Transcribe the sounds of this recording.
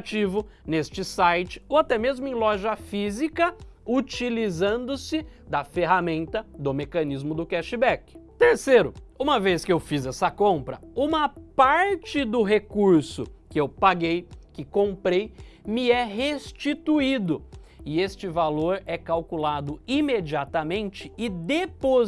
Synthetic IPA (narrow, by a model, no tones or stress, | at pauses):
t͡ʃivʊnest͡ʃɪsajt͡ʃɪ̥oat̪ɛmezmʊẽlɔʒɐfizikɐut͡ʃilizɐ̃nd̪ʊsɪd̪ɐfeɦamẽnt̪ɐd̪ʊmekɐnizmʊd̪ʊkɛʃɪbɛkɪ̥t̪eɾseɾʊũmɐveskɪewfizɛsɐkõmpɾɐũmɐpaɾt͡ʃɪd̪ʊɦekuɾsʊ̰kɪewpaɡejkɪkõmpɾejmɪɛɦest͡ʃit̪uid̪ʊɪest͡ʃɪvaloɾɛkawkulad̪ʊimed͡ʒiat̪ɐmẽnt͡ʃɪɪd̪epo